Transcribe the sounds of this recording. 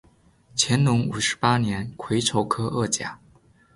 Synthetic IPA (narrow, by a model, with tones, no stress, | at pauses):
t͡ɕʰjɛ˧˥nnʊ˧˥ŋu˨˩ʂɻ̩˧˥pa˥njɛ˧˥nkʰwe˧˥ɪʈ͡ʂʰo˧˥ʊkʰɤ˥ʔɤ˥˩t͡ɕja̰˨˩˦